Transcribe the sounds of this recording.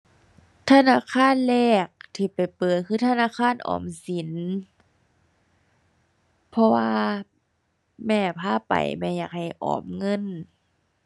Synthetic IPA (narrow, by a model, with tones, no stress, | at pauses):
t̪ʰa˧naː˧˥˨kʰaː˧˥˨nlɛː˧˩k̚t̪ʰiː˧˩pa˨˩jpɤː˨˩t̪̚kʰɯː˧˩t̪ʰa˧naː˧˥˨kʰaː˧˥˨nʔɔ̰ː˨˩msi˨˦n | pʰɔ˧waː˧ | mɛː˧˩pʰaː˧˥˨pa̰˨˩jmɛː˧˩jaː˧˩k̚ha˨˩jʔɔ̰ː˨˩mŋɤ˧˥˨n